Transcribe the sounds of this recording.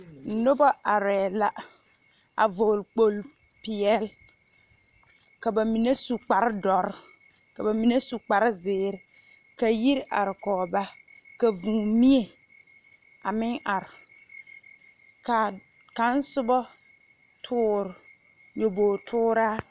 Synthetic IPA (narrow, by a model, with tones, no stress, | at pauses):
n̩˨nʊ˦bɔ˦ʔa˨ɾɛː˨la˦ | a̰˨vo˨lk͡po˨l | pɪ˨ɛ˦˨l | ka˨ba˨mi˨ne˦su˨k͡pa˨ɾɪ˦dɔ˨ɾ | ka˨ba˨mi˨ne˦su˨k͡pa˨ɾɪ˦zɪː˨ɾɪ˨ | ka˨ji˦ɾʔa̰˨ɾɪ˨kɔː˨ba˦ | ka˨vũː˨mi˦e˨ | a˨mɪ˦ŋʔa˨ɾɪ˨ | ka˨ | ka˨˦n˦sʊ˦bɔ˦ | tʰʊː˦ɾ | jo˨boː˨tʰʊː˦ɾaː˦